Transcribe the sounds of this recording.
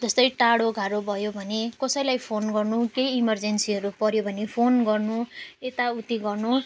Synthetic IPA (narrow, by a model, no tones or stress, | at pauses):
d͡zʌst̪ʌjʈaɽoɡʱaɾobʱʌjobʱʌnekʌsʌjlajpʰonɡʌrnukejːmʌrd͡zensiʌɾupʌɾjobʱʌnepʰonɡʌrnuet̪aut̪iɡʌrnu